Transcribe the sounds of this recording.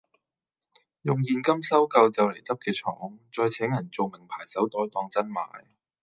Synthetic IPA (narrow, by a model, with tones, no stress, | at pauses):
jʊ˨ŋjiː˨nkɐ˥msɐ˥wkɐ˧wt͡sɐ˨wle˨˩jt͡sɐ˥p̚kɛː˧t͡ʃʰɔ̰ː˨˥ŋt͡sɔː˧jt͡sʰɛː˨˥ŋjɐ˨˩nt͡so˨wmɪ˨˩ŋpʰaː˨˩jsɐ˨˥wt̪ɔː˨˥jt̪ɔː˧ŋt͡sɐ˥nma̰ː˨˥j